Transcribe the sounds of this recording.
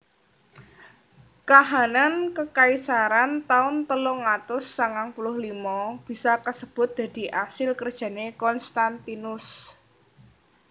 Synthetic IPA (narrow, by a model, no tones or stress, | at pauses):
kaɦanankəkaisaɾant̪aʊnt̪əlʊŋat̪ʊsːaŋaŋpulʊhlimɔb̥i̤sakəsəb̥ʊ̤t̪̚d̪̥ä̤d̪̥i̤ʔasɪlkərd̥ʒ̥a̤nekɔnst̪ant̪inʊs